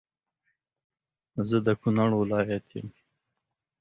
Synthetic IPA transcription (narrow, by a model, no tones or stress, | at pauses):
zəd̪əkʊnaɽwɪlɑjat̪ʰjə̰m